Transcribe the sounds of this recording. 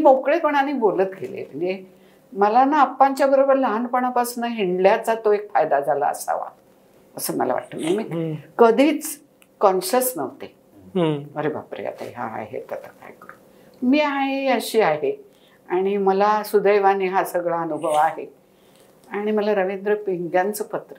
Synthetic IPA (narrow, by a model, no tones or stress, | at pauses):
miːmokɭepəɳanibolət̪ɡʱelḛb̤ənɡe | məlanaːpːaɲt͡ɕjabəɾobəɾləɦanpəɳ̃apasnəɦiɳɖljat͡sat̪oekfajd̪ad͡zala̰ə̰sa̰ʋa̰ | əsəmə̰la̰ʋa̰ʈːəmimiːkəd̪ʱiːt͡s | kɔnɕəsnəʋt̪e | əɾebʱa̰pɾḭja̰t̪ə̰jɦa̰a̰ɦḛt̪ət̪ʰəka̰jkəɾu | miːɦaĩəɕiːaɦe | aɽ̃iməlasud̪əjʋaniɦasəɡɭaənubʱəʋaɦe | aɽ̃iməlaɾəʋend̪ɾəpiŋɡjant͡səpət̪ɾə